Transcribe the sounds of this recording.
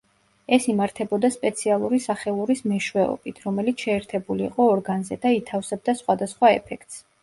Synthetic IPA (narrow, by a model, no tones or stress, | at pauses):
ɛsimaɾt̪ʰɛbɔd̪aspʼɛt̪sʰialˠuɾisaχɛlˠuɾismɛʃwɛɔ̰b̥it̪ʰɾɔmɛlit̪sʰʃɛːɾt̪ʰɛbuliːqʼɔːɾɡanzɛd̪ait̪ʰafsɛb̚d̪asχwad̪asχwaɛ̰pʰɛkʰt̪ʼs